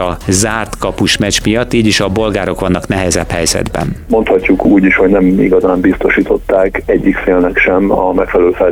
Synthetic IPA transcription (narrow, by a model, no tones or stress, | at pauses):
ɒzaːrt̪kɒpuʃmɛt͡ʃmijɒt̪ːiːɟiʃɒbo̞lɡaːɾo̞kʋɒnːɒknɛɦɛzɛphɛjzɛ̰d̪bɛ̰nmo̞nt̪hɒcːukʰuːɟiʃho̞ɟnɛmiɡɒzaːmbist̪o̞ʃiːt̪ʰo̞t̪ːaːkɛɟːikfeːlnɛkʃɛmɒmɛkfɛlɛøːlfɛl